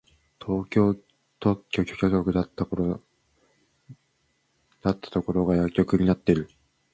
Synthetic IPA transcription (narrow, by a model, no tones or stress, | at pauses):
t̪ʰoːkʲoː | t̪okʲːo̞ːkʲoːkʲot̪ʲoːkɯ̟d̪at̪ːaoɾo | d̪̥at̪ːḁt̪o̞ko̞ɾo̞ɡajakʲːo̞kɯ̟ɲ̟inat̪ːe̞ɾɯ̟